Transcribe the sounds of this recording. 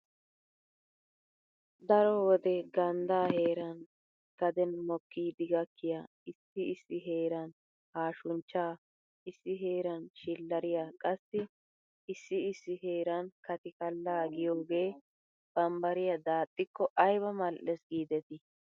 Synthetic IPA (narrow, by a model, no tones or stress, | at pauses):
d̪ɐɾɔwɔd̪ɛɡɐnd̪aːhe̞ːɾɐn | kɐd̪ɛnmɔkːiːd̪ɪɡɐkʰːɪja | ɪsːɪɪsːɪɦe̞ːɾɐn | haːʃʊnt͡ʃːaː | ɪsːɪɦe̞ːɾɐnʃɪlːɐɾɪjakʼɐsːɪ | ɪsːɪɪsːɪɦe̞ːɾɐnkɐt̪ɪkɐlːaːɡɪjoːɡe̞ː | b̥ɐmbɐɾɪjɐd̪aːt̪ʼːɪkːɔʔɐjβɐmɐlʔɛsɡiːd̪ɛt̪ɪ